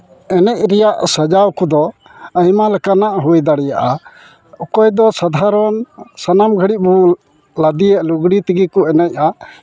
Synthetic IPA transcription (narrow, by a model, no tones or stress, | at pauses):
ɛnɛc̚ɾɛjaʔsəd͡ʒawkɔd̪ɔ | əjmalɛkanaʔɦujd̪aɽɛjaʔa | ɔkɔjd̪ɔsad̪ʱaɾɔnsanamɡʱəɽiʔ̚bu | lad̪ijɛʔluɡɽit̪iɡikɔɛnɛc̚ʔa